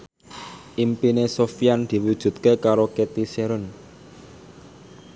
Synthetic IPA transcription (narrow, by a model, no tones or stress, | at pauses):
ʔimpinesofijand̪̥i̤wud̥ʒ̥ṳt̪kekaɾoket̪iseɾʊn